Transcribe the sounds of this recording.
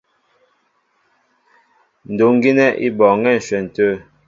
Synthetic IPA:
n̩˨do˨ŋ˦ɡi˦nɛ˦ʔḭ˦bɔ˨ŋɛ˦˨n̩˨ʃwɛ˨n̩˨tə˦˨

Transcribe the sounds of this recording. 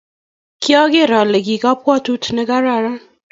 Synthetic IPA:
kʰi˦ɔ˦ɡe˦˨ɾa˨le˨ɡi˨ɡa˦pwɔ˦tu˦tʰne˦ɡa˦ɾa˦˨ɾa˦

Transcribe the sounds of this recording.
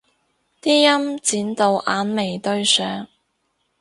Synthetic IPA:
t̪iː˥jɐ˥mt͡siː˨˥nt̪o˨˧wʔaː˨˧nme˨˩jt̪ɵ˧ɥsœː˨˥ŋ

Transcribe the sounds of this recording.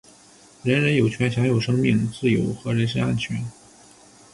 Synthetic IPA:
ɻə˧˥nɻə˧˥njo˨˩ʊt͡ɕʰɥɛ˧˥nɕjɑ˧˥ŋjo˨˩ʊʂɤ˥ŋmi˥˩˧ŋt͡sɹ̩˥˩jo˧˥ʊxɤ˧˥ɻə˧˥nʂ̬ə˥na˥˩nt͡ɕʰɥɛ˧˥n

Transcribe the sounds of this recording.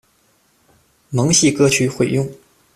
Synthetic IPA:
mɤ˧˥ŋɕi˥˧kɤ˥t͡ɕʰy˧˥xwe˨˩ɪjʊ˥˩ŋ

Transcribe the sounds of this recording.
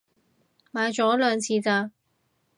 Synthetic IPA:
maː˨˧jt͡ʃɔː˨˥lœː˨˧ŋt͡sʰiː˨˧t͡saː˧

